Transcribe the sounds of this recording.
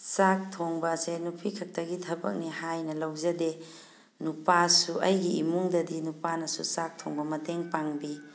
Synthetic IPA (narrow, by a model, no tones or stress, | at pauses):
sak̚tʰoŋbɐsenupʰikʰɐk̚tʰɐɡitʰɐbɐ̰k̚nihajnɐlɐwzɐde | nupasuɐjɡiimuŋdɐdinupanɐsusak̚tʰoŋbɐmɐteŋpaŋbi